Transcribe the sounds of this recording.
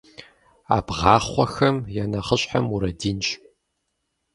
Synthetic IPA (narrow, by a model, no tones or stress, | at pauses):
a̰ːbʁɑːχʷɔxɐmjanɐχəɕʼħamuɾɐdiːnɕʼ